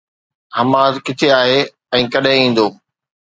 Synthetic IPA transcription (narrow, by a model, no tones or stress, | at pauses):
hɐmaːzkɪt̪ʰeaːɦe | ɛ̃ːkɐɗɦɪ̃ĩːn̆d̪oː